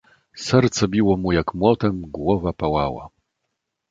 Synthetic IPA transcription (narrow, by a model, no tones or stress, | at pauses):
sɛɾt̪sɛbʲiwɔmujakmwɔt̪ɛmɡwɔvapawawa̰